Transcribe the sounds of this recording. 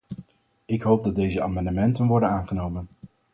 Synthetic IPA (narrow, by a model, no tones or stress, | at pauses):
ɪkɦowp̚dɑd̚ejzəa̰ːmɑndəmɛntənʋɔɹdənaːnχənowmən